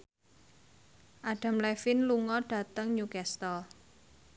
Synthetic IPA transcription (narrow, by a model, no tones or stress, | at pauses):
ʔaɖ̥a̤mlɛfɪnluŋɔɖ̥ä̤t̪əŋɲukɛst̪ɔl